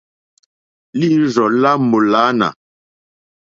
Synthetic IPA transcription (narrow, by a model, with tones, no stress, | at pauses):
li˦zɔ˨la˦mo˨la˨˦na̰˨